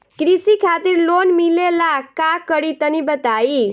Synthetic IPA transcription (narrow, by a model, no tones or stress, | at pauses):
kɾisikʰat̪iɾlonmilelakakəɾit̪ənibət̪ai